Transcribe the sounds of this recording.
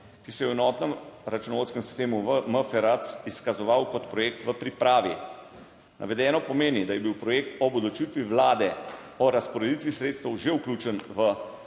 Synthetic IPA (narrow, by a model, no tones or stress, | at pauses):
kisɛjɛwɛnɔːt̪nɛmɾat͡ʃunɔʋoːt̪skɛmsi̥st̪eːmuʋəməfɛɾat̪siskazɔʋawkɔt̪pɾɔjeːkt̪ʋəpɾipɾaːʋḭ | nʔa̰ʋɛd̪ɛːnɔpɔmeːnid̪ajɛbiwpɾɔjeːk̚t̪ɔbɔd̪lɔt͡ʃit̪ʋiʋlaːd̪ɛ | ɔɾaspɔɾɛd̪it̪ʋisɾeːt̪st̪əwʒewkluːt͡ʃənʋə